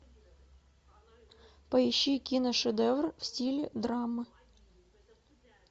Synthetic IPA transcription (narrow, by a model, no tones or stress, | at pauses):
pɐɪɕːikʲinəʂɨd̪ɛvrfsʲtʲilʲɪd̪ɾamːɨ